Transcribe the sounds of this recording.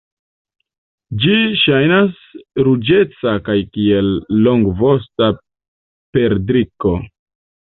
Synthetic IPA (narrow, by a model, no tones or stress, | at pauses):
d͡ʒiʃajnas | ɾud͡ʒe̞t͡sakajkie̞lːoŋɡvosta | pe̞ɾdɾiko̞